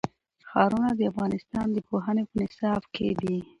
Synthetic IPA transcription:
xɑɾunad̪əafɣɑnɪst̪ɑnd̪əpoɦanepənɪsɑbkʰḛd̪i

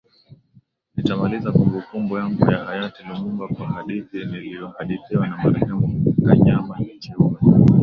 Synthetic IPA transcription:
nitamalizakumbɔkumbɔjaŋɡujahajatilimumbakwahaɗiθinilijɔhaɗiθiwanamaɾɛhɛmuikaɲamait͡ʃi

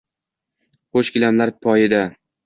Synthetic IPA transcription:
χoʃkʲɪlamlaɾpʰɒjɪd̪a

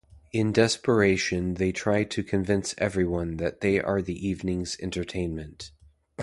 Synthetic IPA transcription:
ɪ̃ndɛspə˞eɪʃɨ̃nðeɪtʰɹ̥aɪtʰɨkʰɨ̃ɱvɪ̃nsɛ̰vɹiwʌ̃nðɨt̪̚ðeɪʔə˞ðiʔivnɪ̃ŋzɛ̰̃ntə˞tʰẽɪ̃nmɨ̃nt

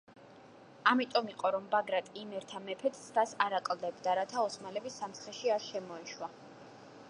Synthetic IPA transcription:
amit̪ʼɔmiqʼɔɾɔmbaɡɾat̪ʼimɛɾt̪ʰamɛpʰɛt̪ʰsʰt̪asaɾakʼlˠd̪ɛbd̪aɾat̪ʰaɔsmalɛbisːamt̪sχɛʃiaɾʃɛmɔɛʃwa

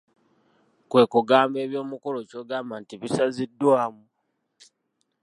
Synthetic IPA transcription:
kwe̞ːkuɡaːmbe̞ːβjo̞ːmukoloco̞ːɡaːmbantiβisazidːwaːmu

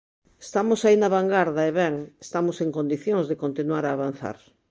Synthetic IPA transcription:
est̪amosainaβaŋɡaɾðɐeβɛŋest̪amoseŋkond̪iθjõŋzðekõnt̪inwaɾaːβan̟θa̰ɾ

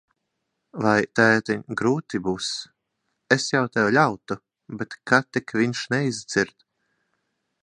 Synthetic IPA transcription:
vajt̪æːt̪ɛɡɾuːt̪ibuːs | esjawt̪ɛwlʲawt̪u | bet̪kʰat̪ɛkviɲʃnɛizd̪z̥iɾt̪

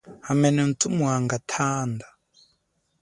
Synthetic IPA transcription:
hamɛnɛn̩t͡sʼumuɦaŋɡatʰaːnda

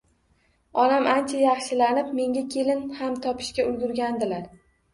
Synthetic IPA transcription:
ɒlamʔant͡ʃʰajɑχʃɪlanɪpme̞ŋɡʲakʲʰe̞lɪnhamt̪ʰɒpʰɪ̥ʃkʲaʊlɡʲʊɾɡʲand̪ɪlaɾ

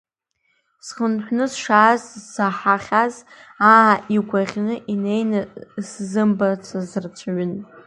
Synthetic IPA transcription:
sχənħʷnɨsʂaːzzaħaχʲaz | aaʔiɡʷaʁʲnɨʔine̞jnaszɨmbat͡sʷʰazɨrt͡ʃʷʰaɥʊn

